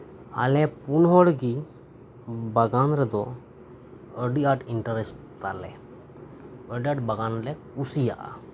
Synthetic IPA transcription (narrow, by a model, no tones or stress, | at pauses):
a̰lɛpunɦɔɽɡi | baɡanɾɛd̪ɔ | əɖiaʈiɳʈaɾɛs | t̪alɛ̰ | əɖiaʈ̚baɡanlɛkusija̰ʔa̰